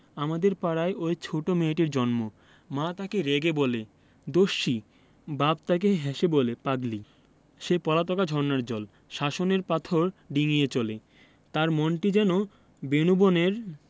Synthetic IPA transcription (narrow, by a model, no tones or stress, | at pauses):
amad̪eɾpaɽajʔojt͡ɕʰoʈomeʈiɾd͡ʑɔnmo | mãt̪akeɾeɡebole | d̪oʃːi | babt̪ak̬eɦɛʃebolepaɡli | ʃepɔlat̪ɔkad͡ʑʱɔɾnaɾd͡ʑɔl | ʃaʃoneɾpat̪ʰoɾɖiŋijet͡ɕole | t̪aɾmɔnʈid͡ʑɛno | benuboneɾ